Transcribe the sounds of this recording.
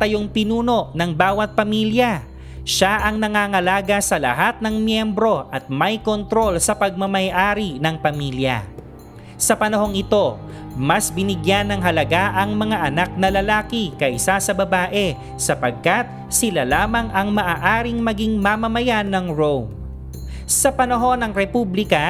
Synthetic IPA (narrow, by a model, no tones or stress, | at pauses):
t̪ɐjoŋpɪnuːno̞ʔnɐŋbaːwɐt̪̚pɐmiljɐ | ʃaʔɐŋnɐŋaːŋɐlaːɡɐsɐlɐ̰ɦat̪̚nɐŋmjɛmbɾo̞ʔɐt̪̚mɐjko̞nt̪ɾo̞lsɐpɐɡ̚mɐmɐjʔaːɾinɐŋpɐmiljɐ̰ | sɐpɐnɐho̞ŋɪt̪o̞ | mɐsbɪnɪɡjanːɐŋɦɐlɐɡaʔɐŋmɐŋaʔɐnak̚nɐlɐlaːkɪkɐʔɪsasɐbɐbaːʔɛ | sɐpɐɡ̚kat̪̚ | sɪlalaːmɐŋɐŋmɐʔaːʔaːɾɪŋmɐɡiŋmɐmɐmɐjanɐŋɹom | sɐpɐnɐɦo̞nɐŋɾɛpublɪkɐ